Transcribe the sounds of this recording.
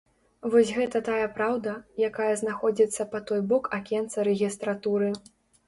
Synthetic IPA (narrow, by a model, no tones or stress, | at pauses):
vɔsʲɣɛt̪ɐt̪ajɐpɾawd̪ɐjakajɐznaxɔd͡zʲit̪sːɐpɐt̪ɔjbɔkakʲɛnt̪sɐɾɛɣʲist̪ɾat̪uɾɨ